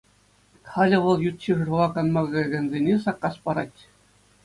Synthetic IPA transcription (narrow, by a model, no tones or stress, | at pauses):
χɑlʲɘ̆ʋɤ̆lˠjut̪ɕiʐɤ̆rlˠɑkɑnmɑɣɡʲɘ̆nʲzʲenʲesɑkːɑspɑɾɑtʲ